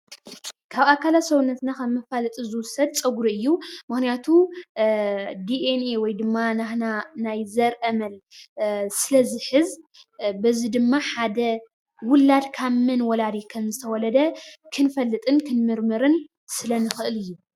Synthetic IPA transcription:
kʰaβakʰːalat̪sowunːɐt̪nakʰɐmːɨfalɨt̪ʼizɨwʊsɐd̪̚t͡sʼɐɡɾuɨjːumɨxnijat̪ʰu | d̪iʔenewɔjd̪ɨmːanaxnanajzɐɾʔɐmɐl | sɨlɐzɨħɨzbɐzid̪ɨmːaħad̪ɐ | wʊlːad̪kʰamːɨnwɔlad̪ikʰɐmzɨt̪ʰɐwɔlɐd̪ɐkʰɨnfɐlːɨt̪ʼɨnkʰɨnmɨɾmɨɾɨn | sɨlɐnɨxɨʔɨlɨjːu

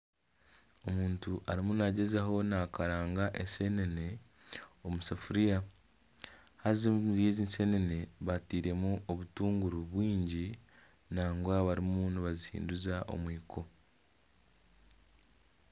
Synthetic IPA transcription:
o̞muːntuʔaɾimunaɟe̞zaɦo̞nakaɾaːŋɡaʔense̞ne̞ne̞ | o̞musafuɾija | hazizje̞ːziːnse̞ne̞ne̞βatiːɾe̞muʔo̞βutuːŋɡuɾuβwiːɲɟi | naːŋɡwaβaɾimmuniβazihḭːnduzaʔo̰mwiːkʰo̞

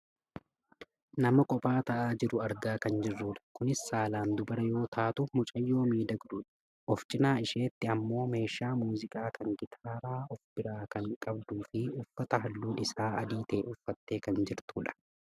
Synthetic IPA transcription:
nɐmɐkʼɔpʼaːt̪ɐʔaːd͡ʒɪɾʊɐɾɡaːkɐnd͡ʒɪrːuːᶑɐ̥kʊnɪsːaːlaːnd̪ʊbɐɾɐjo̞ːt̪ʰaːt̪ʊmʊt͡ʃʼɐjːo̞ːmiːd̪ɐɡd̪uːᶑɐ̥ | ʔɔft͡ʃʼɪnaːɪʃe̞ːt̪ːɪɐmːo̞ːme̞ːʃaːmuːzɪkʼaːkʰɐŋɡɪt̪ʰaːɾaːɔfb̥ɪɾaːkɐŋkʼɐbd̪uːfɪʊfːɐt̪ɐɦɐlːuːnɪsaːʔɐd̪iːt̪eːʔʊfːɐt̪ːe̞ːkɐnd͡ʒɪɾt̪uːᶑɐ̥

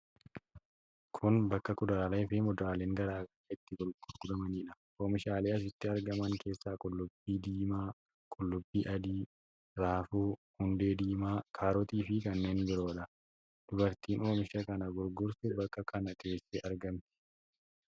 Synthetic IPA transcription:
kʰʊnbɐkːɐkʊd̪aːlɐjɪfɪmɔd̪aːleːŋɡɐɾaːɡɐɾɪt̪ːɪɡʊlɡ̥ʊɾɡ̥ʊd̪ɐmɐniːᶑɐ | oːmɪʃaːleːɐs̬ɪt̪ːɪɐɾɡɐmɐŋke̞ːsːaːkʼʊlːʊbːiːd̪iːmaː | kʼʊlːʊbːiːʔɐd̪iː | ɾaːfuːhʊnd̪e̞ːd̪iːmaːkʰaːɾɔt̪iːfɪkɐnːe̞ːnbɪɾo̞ːᶑɐ | d̪̥ʊbɐɾt̪iːno̞ːmɪʃɐkɐnɐɡʊɾɡʊɾsʊbɐkːɐkːɐnɐke̞ːsːeːʔɐɾɡɐmt̪ɪ̥

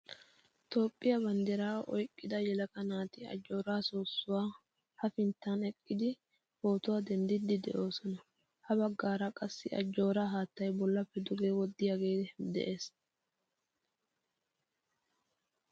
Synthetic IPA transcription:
t̪o̞ːpʼːɪjɐbɐnd̪ɛɾaːʔɔ̰jkʼːɪd̪ɐjɛlɐkɐnaːt̪ɪɐ̰d͡ʒːo̞ːɾaːsoːsːʊwaː | hɐfɪnt̪ːanɛkʼːɪd̪ɪ | ho̞ːt̪ʊwad̪ɛnd̪ɪd̪ɪd̪ɛ̰ʔo̞ːsɔnɐ | hɐbɐɡːaːɾɐkʼɐsːɪɐ̰d͡ʒːo̞ːɾaːɦaːt̪ːɐjbɔlːɐpːɛd̪ʊɡeːwɔd̪ːɪjaːɡe̞ːɛd̪ɛ̰ʔe̞ːs

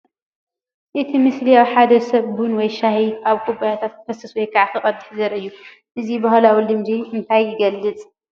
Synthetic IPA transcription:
ʔɨt̪ʰimɨslijawħad̪ɐsɐβbunwɔjʃahiʔaβkʰʼubajat̪ʰat̪fʰɐsɐswɔjkʰaʕt̪ʰɨχʼɐd̪ɨħzɐɾʔɨjːu | ʔɨzibɐɦlawilɨmd͡ʒiɨnt̪ʰajːɪɡɐlːɨt͡sʼ

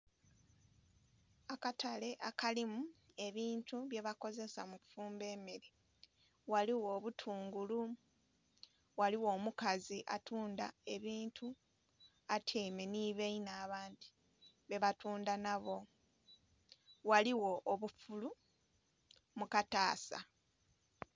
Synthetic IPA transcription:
akatʰale̞ʔakalimue̞βiːntuβje̞βako̞ze̞sa̰mufuːmbe̞ːmeɾi | waliwo̞ːβutʰuːŋɡulu | waliwo̞ːmukaziʔa̰tʰuːnda̰e̞βiːntʰu | atʰeːme̞niβeinaːβaːndi̥ | βe̞βatuːndanaβo̞ | waliwo̞ʔːβufulu | mukataːsa̰

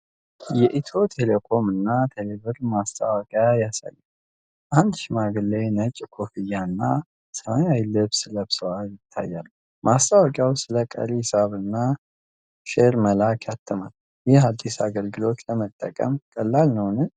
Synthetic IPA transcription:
jɛʔit̪ʰo̞t̪ʰelekʰo̞mɨnːat̪ʰeleβɨɾmast̪ʼawəkʼjajasa̰jːu | ʔand̪ʃimaɡɨlːenət͡ʃʼkʰo̞fijanːa | səmajajlɨβsɨləbsəwaljɪt̪ʰːa̰jːalː | mast̪ʼawəkʼjawsɨləkʼə̰lisaβɨnːa | ʃeɾməlakʰjat̪ʰːɨmal | jɪhad̪ːisaɡəlɡɨlo̞t̪ləmət̪ʼːəkʼə̰mkʼəlːalnəwnɨn

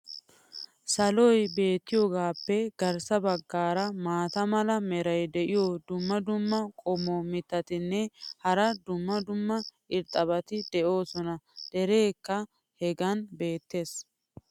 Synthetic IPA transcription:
sɐlɔjbe̞ːt̪ːɪjoːɡaːpːɛɡ̥ɐɾsɐbɐɡːaːɾɐmaːt̪ɐmɐlɐmɛɾɐjd̪ɛʔɪjod̪ʊmːɐd̪ʊmːɐkʼɔmomɪt̪ːɐt̪ɪnːɛhɐɾɐd̪ʊmːɐd̪ʊmːɐʔɪɾt̪ʼɐbɐt̪ɪd̪̥ɛʔo̞ːsɔnɐd̪̥ɛɾeːkːɐ | hɛɡɐnbe̞ːt̪ːe̞ːs

